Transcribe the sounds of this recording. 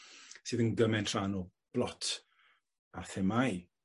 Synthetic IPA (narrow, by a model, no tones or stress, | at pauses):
sɨːðənɡəmɛntʰr̥aːnɔ | b̥lˠɔtʰ | aθɛmaj